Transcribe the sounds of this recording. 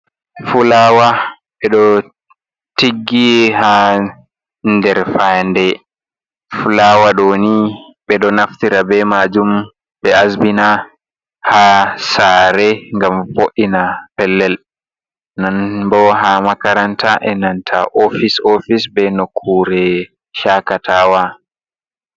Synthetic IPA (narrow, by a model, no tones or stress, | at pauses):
fulawa | ɓɛɗɔ | tiɡːiha | ndɛɾfandɛ | fulawaɗoni | ɓɛɗɔnaftiɾabɛmad͡ʒum | ɓɛasbina | hasaːɾɛŋɡamfoʔinapɛlːɛl | nanbɔɦamakaɾantʰaʔɛnantʰa̰ʔofisofisbɛnokʰːuɾɛ | ʃakatʰaːwa